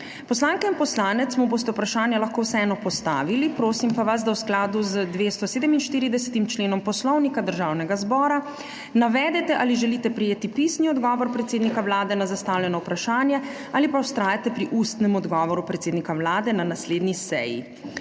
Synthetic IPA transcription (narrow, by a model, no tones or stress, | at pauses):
pɔslaːŋkɛinpɔslaːnɛt̪smuboːst̪ɛupɾaʃaːnjɛlaxkoːwsɛɛːnɔpɔst̪aːʋilipɾoːsimpaʋas̬d̪awsklaːd̪uzəd̪ʋeːst̪ɔseːd̪ɛminʃt̪iːɾid̪ɛsɛ̥t̪imt͡ʃleːnɔmpɔslɔwnikad̪əɾʒaːwnɛɡazbɔːɾa | naʋɛːd̪ɛt̪ɛʔaliʒɛliːt̪ɛpɾɛjeːt̪ipisniɔd̪ɡɔːʋɔɾpɾɛt̪seːd̪nikawlaːd̪ɛnazast̪aːwlʲjɛnɔwpɾaʃaːnjɛ | aːlipawst̪ɾaːjat̪ɛpɾiʔust̪nɛmɔd̪ɡɔʋɔɾupɾɛt̪seːd̪nikawlaːd̪ɛnanasleːd̪nisɛ̰jḭ